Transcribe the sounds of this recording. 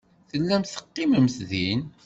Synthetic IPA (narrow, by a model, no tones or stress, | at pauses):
θəlːæmθə̥qːiməmθðin